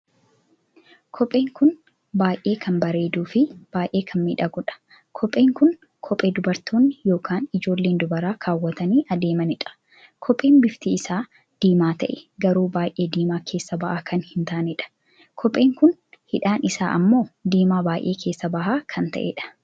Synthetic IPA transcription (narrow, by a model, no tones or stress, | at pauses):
kʰɔpʼe̞ːŋkʊn | baːjʔe̞ːkʰɐmbɐɾe̞ːd̪uːfɪb̥aːjʔe̞ːkʰɐnmiᶑɐɡɔᶑɐ̥ | kʰɔpʼːe̞ːŋkʊn | kʰɔpʼeːd̪ʊbɐɾt̪oːnːɪjo̞ːkʰaːnɪd͡ʒo̞ːlːe̞ːnd̪ʊbɐɾaːkʰaːwːɐt̪ɐniːʔɐd̪e̞ːmɐnɪᶑɐ̥ | kʰɔpʼe̞ːnbɪft̪iɪsaː | d̪̥iːmaːt̪ɐʔɛɡɐɾuːbaːjʔe̞ːd̪iːmaːkʰe̞ːsːɐbɐʔaːkʰɐnhɪnt̪aːnɪᶑɐ̥ | kʰɔpʼːe̞ːŋkʊnhɪᶑaːnʔɪsa̰ːʔɐmːo̞ːd̪iːmaːbaːjʔe̞ːkʰe̞ːsːɐbɐhaːkʰɐnt̪ɐ̰ʔɛ̰ᶑɐ̥